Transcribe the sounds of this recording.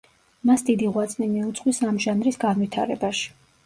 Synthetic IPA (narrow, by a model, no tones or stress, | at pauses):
masd̪id̪iʁwat̪sʼnimiut̪sʼqʼwisamʒanɾisɡanvit̪ʰaɾɛbaʃi̥